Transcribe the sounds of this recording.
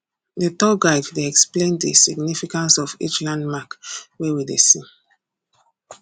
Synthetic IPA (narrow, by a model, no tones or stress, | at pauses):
detɔɡaɪvdeɛksplẽndəsiɡnifikãnsɔvḭt͡ʃlãndmakwɛwidḛsĩ